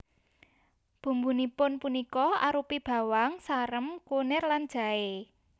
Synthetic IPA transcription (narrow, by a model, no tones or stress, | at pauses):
b̥ṳmbunipʊnpunikɔa̰ɾupib̥ä̤waŋsaɾəmkunɪrland̥ʒ̥a̤e